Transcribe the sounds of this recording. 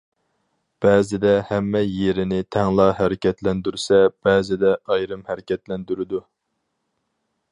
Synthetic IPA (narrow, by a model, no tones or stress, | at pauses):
b̥ɛːzɪd̪ɛhæmːɛjeɾɪnɪt̪ʰɛŋlˠɑɦæɾɪkʲɛt̪lɛnd̪yɾsɛb̥ɛːzɪd̪ɛʔɑjɾɨmhæɾɪkʲɛt̪lɛnd̪yɾɪd̪u